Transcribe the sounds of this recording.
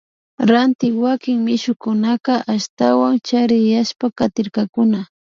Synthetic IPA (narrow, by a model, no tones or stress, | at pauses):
ɾant̪ɪwakɪŋmɪʃʊkʊnakɑʔaʃt̪awaŋt͡ʃaɾɪjaʃpakat̪ɪɾkakʊna